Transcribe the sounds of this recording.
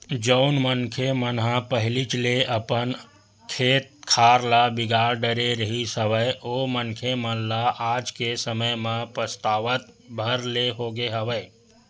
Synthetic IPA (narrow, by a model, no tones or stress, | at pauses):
d͡ʒəʊnmənkʰemənɦãpəɦɪlit͡ʃleʔəpən | kʰeːt̪̚kʰaːɾlabɪɡaːɾɖəɾeɾəɦisəʋəjoːmənkʰemənlaʔaːd͡ʒkesəməjmãpɾəst̪aːʋət̪bʱəɾleɦoːɡeɦəʋəe